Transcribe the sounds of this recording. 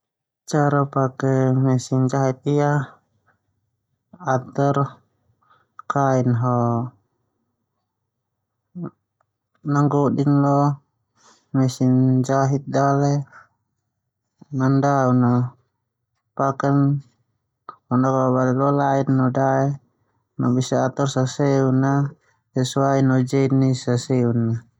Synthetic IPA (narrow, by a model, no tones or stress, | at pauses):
t͡ʃaɾapakɛmɛsind͡ʒaɦit̪̚ia | t̪ɔr | kainɦɔ | naŋɡɔɗinlɔ | mɛsind͡ʒaɦit̪̚dalɛ | nandauna | pakan | hɔnakbabalɛlɔlainːɔdaɛ | nɔbisaat̪ɔrsasɛuna | sɛsuainɔd͡ʒɛnːisasɛunːa